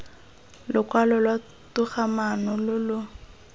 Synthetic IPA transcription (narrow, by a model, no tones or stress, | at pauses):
lʊkwalɔlwa | tʊχamanɔlʊlʊ